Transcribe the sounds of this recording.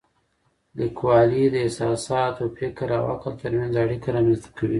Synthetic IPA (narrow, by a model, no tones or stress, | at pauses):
likwɑlid̪əɪsɑsɑt̪ofɪkɾa̰wa̰kalt̪əɾmjanzaɽikaɾɑmanst̪ḁkawḭ